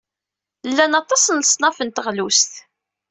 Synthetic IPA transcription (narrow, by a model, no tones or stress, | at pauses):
lːænɑt̪ˤɑsənəsˤnɑfənt̪əʁlust̪